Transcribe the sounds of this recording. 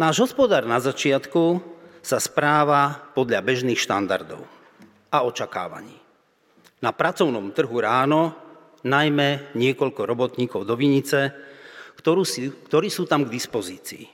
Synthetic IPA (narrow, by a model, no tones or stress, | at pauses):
naːʒɦɔspɔd̪aːɾnazat͡ʃɪat̪kusaspɾaːʋapɔd̪ʎabɛʒniːxʃt̪a̰nd̪a̰ɾd̪ɔ̰ʊ | aɔt͡ʃaka̰ːʋa̰ɲiː | napɾat͡sɔʊnɔmt̪r̩ɦuɾaːnɔ | najmɛɲɪɛkɔʎkɔɾɔbɔt̪ɲiːkɔʊd̪ɔʋiɲit͡sɛ | ɔuskt̪ɔɾiːsuːt̪amɡd̪ispɔziːt͡siː